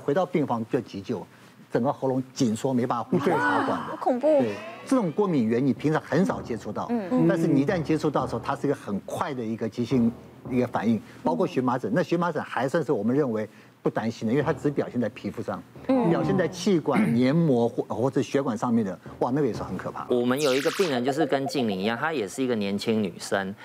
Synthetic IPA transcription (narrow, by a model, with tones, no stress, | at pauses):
xwe˧˥ɪt̪ɑ˥˧ʊpi˥˩ŋfɑ˥ŋ˥jt͡ɕi˧˥t͡ɕjo˨˩ʊ | t͡sə˨˩ŋɡə˧xɤ˧˥ʊlʊ˧˥ŋt͡ɕi˨˩nʂwɔ˥me˧˥ɪpa˨˩nʰ˥u˧˥ɕɛ˥˧ɕɑ˧˥ʊkwa̰˨˩nd̪ə˦kʰʊ˨˩ŋpu˥we˥˩ɪʈ͡ʂɤ˥˩ʈ͡ʂʊ˨˩ŋkwɔ˥˩mi˨˩ŋɥɛ˧˥nni˨˩pʰi˧˥ŋʂʰɑ˧˥ŋxə˧˥nʂɑ˨˩ʊt͡ɕjɛ˥ʈ͡ʂʰu˥˧t̪ɑ˥˩ʊt̪a˥˧nʂ̬̩˥˩ni˨˩˥t̪a˥˩nt͡ɕjɛ˥ʈ͡ʂʰu˥˧t̪ɑ˥˩ə˩ʂ̩˧˥˧t̪ʰa˥ʂɻ̩˥˩i˧˥ɡə˧xə˨˩nkʰwa˥˩ɪd̪ə˩i˧˥ɡə˧t͡ɕi˧˥ɕi˥˩ŋ | i˧˥ɡə˧fa̰˨˩ni˥˩ŋ | pɑ˥ʊkʰɔ˥˩ɕɥɛ˧˥ma˧˥ʈ͡ʂə˨˩˦na˥˩ɕɥɛ˧˥ma˧˥ʈ͡ʂə˨˩nxa˧˥ɪswa˥˧nʂɻ̩˥˩wɔ˨˩mə˦nɻə˥˩nwe˧˥ɪ | pu˥˩t̪a˥nɕi˧˥nd̪ə˨i˥wt̪ʰa˥ʈ͡ʂɻ̩˧˥pjɑ˨˩ʊɕjɛ˥˧nt͡sa˥˩ɪpʰi˧˥fu˧ʂɑ̰˥˩ŋpjɑ˨˩ʊɕjɛ˥˧nt͡sa˥˧ɪt͡ɕʰi˥˩kwa˨˩nnjɛ˧˥nmwɔ˧˥ɔ˥˩xwɔ˥˩ʂɻ̩˥˩ɕɥɛ˧˥kwa˨˩nʂɑ˥˧ŋmjɛ˥˩nd̪ə˩wa˥˧na˥˩ɡə˩jɛ˨˩ʂ̩˥˩xə˧˥nkʰɤ˨˩a̰˥˩wɔ˨˩mə˦njo˨˩ʊi˧˥ɡə˧pi˥˩ŋɻə˧˦nt͡ɕjʂ̬ɻ̩˥˩kə˦nt͡ɕi˥˧˩ŋli˧˩ŋ˧jɑ˥˩ŋt̪ʰa˥jɛ˨˩ʂɻ̩˥˩i˧˥ɡə˨njɛ˧˥˦nt͡ɕʰi˦˥ŋny̰˨˩ʂə˦˥ŋ